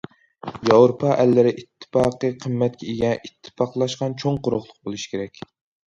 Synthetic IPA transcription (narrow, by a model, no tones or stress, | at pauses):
jɑwɾopʰɑʔɛlːɪɾɪʔit̪ʰːɨ̥pɑːqɨqʰəmːɛt̪̚kʲʰɛeɡʲɛʔit̪ʰːɨ̥pɑqlˠɑʃqɑnt͡ʃʰoŋqoɾʊχlˠʊq̚bolˠɨʃi̥kʲʰeɾɛkʲ